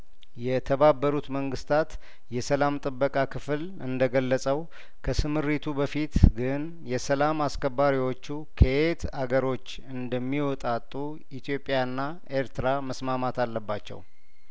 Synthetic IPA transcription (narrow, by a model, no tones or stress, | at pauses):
jɛt̪ʰəβabːəɾut̪məŋɡɨst̪ʰat̪ | jɛsəlamt̪ʼɨbːəkʼakʰɨfl | ɨnd̪əɡəlːəsʼəw | kʰəsɨmɨɾit̪ʰubəfit̪ɡɨn | jɛsəlamaskʰəbːaɾiwo̞t͡ʃːu | kʰəet̪ʰaɡəɾo̞t͡ʃː | ɨnd̪əmːiwɔt̪ʼat̪ʼːu | it̪ʰjo̞pʼjaɨnːa | e̞ɾt̪ɨɾaməsmamat̪alːəbːat͡ʃːɛ̰w